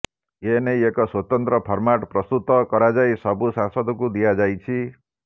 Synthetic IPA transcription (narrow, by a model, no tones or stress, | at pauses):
enejekɔswot̪ɔnt̪ɾɔpʰɔɾmaʈpɾɔst̪ut̪ɔkɔɾad͡ʒajsɔbusãsɔd̪ɔkud̪iad͡ʒajt͡ʃʰi